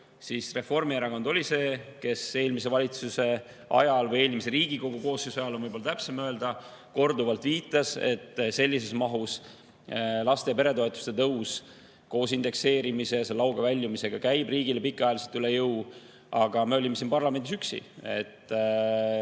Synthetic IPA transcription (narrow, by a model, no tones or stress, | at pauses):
sisre̞fo̞rmieɾɑko̞nd̪̥o̞lʲise̞ːke̞se̞ːlmis̬e̞vɑlʲit̪suse̞ | ɑ̰jɑlvɤje̞ːlmis̬e̞ɾiːɡiko̞ɡ̥uko̞ːsesɑjɑlːonvɤjbo̞lɑt̪æpsemø̞e̞ld̪̥ɑ | ko̞rd̪uvɑlt̪viːt̪ːˑɑse̞̰t̪ːˑse̞lʲːis̬e̞smɑɦus | lɑst̪e̞jɑpe̞ɾe̞t̪o̞et̪ːˑu̥st̪e̞t̪ɤws | ko̞ːsind̪̥e̞kse̞ːɾimise̞jɑselːɑwɡɑvælʲːjumise̞ɡ̥ɑkæjbriːɡilepikːˑɑjɑliselt̪ylejɤw | ʔɑɡ̥ɑme̞o̞lʲimːesinpɑrlɑme̞nd̪isyksḭe̞̰t̪ː